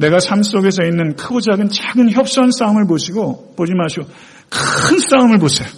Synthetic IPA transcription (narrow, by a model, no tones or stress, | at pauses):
ne̞ɡasʰams͈oɡe̞s̬ʰʌinːɯnkʰɯɡod͡ʑaɡɯnt͡ɕaɡɯnçjʌp̚s͈ʌɦans͈aɯmɯɭpoɕʰiɡo | pod͡ʑimaɕʰio | kɯns͈aɯmɯɭposʰeo